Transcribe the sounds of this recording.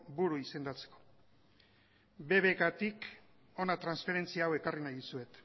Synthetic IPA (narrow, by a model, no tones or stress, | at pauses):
buɾuise̞nd̪at͡seko̞̥ | be̞βe̞kat̪ik | o̞nat̪ɾansfe̞ɾe̞nt͡siawe̞karinajðusue̞t̪